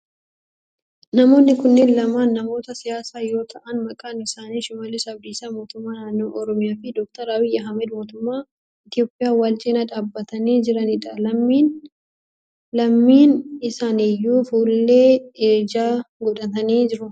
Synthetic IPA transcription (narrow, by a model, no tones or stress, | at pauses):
nɐmo̞ːnːɪkʊnːeːnlɐmaːnːɐmo̞ːt̪ɐsɪjaːsaːjo̞ːt̪ʰɐʔɐnmɐkʼaːnɪsaːniːʃʊmɐlesɐb̚d̪iːsaːmo̞ːt̪ʊmːaːnaːnːo̞ːʔɔɾɔmɪjaːfɪd̪ɔk̚t̪ɐɾaːwɪjɐɦɐmɛd̪mo̞ːt̪ʊmːaː | ɪt̪jo̞ːpʼːɪjaːwalt͡ʃʼeːnɐᶑaːbːɐt̪ɐniːd͡ʒɪɾɐnɪᶑɐlɐmːiːn | lɐmːiːnɪsaːnejːuːfuːlːe̞ːeːd͡ʒaːɡɔᶑɐt̪ɐniːd͡ʒɪɾʊ